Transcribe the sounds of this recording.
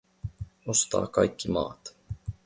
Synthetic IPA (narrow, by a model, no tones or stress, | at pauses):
o̞st̪ɑ̰ːkɑjkːimɑ̰ːt̪